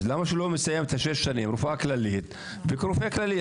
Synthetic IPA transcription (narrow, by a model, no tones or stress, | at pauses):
lamːaʃlomɪsajːamt̪haʃeʃːaniːmɾufʔaklaliːt̪ | bɪkɾufeːklalːiː